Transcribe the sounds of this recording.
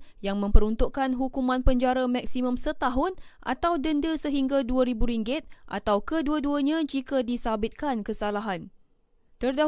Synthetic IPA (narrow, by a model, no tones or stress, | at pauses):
jaŋmə̃mpəɾunt̪uʔkanɦukumãnpəɲd͡ʒaɾamãk̚simə̃msət̪aɦʊnʔa̰t̪awdəndəsəɦiŋɡaduəɾibuɾiŋɡɪt̪̚ʔa̰t̪awkəduəduəɲãd͡ʒikadisabɪt̪̚kankəsalaɦan | t̪ərda